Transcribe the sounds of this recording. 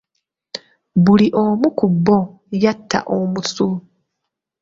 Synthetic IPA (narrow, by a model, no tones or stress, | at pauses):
βuliʔomukubːo | jatːa̰ʔomusu